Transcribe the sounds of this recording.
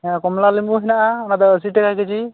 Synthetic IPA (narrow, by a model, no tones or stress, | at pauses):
ɛkɔmlalimuɦinaʔaɔnad̪ɔəs̬iʈɛkajkɯd͡ʒi